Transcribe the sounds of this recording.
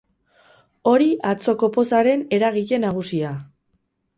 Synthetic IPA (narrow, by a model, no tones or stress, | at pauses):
o̞ɾiat͡so̞ko̞po̞saɾe̞ne̞ɾaɣ̞iʎe̞naɣ̞usia